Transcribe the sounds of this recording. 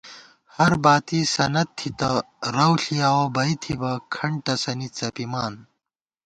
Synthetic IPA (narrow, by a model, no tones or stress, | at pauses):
hɐɾbaːt̪isɐnɐt̪ʰːit̪ɐ | ɾɐwɬiaːwobɐit̪ʰibɐkʰɐɳʈɐsɐnit͡sɐpimaːn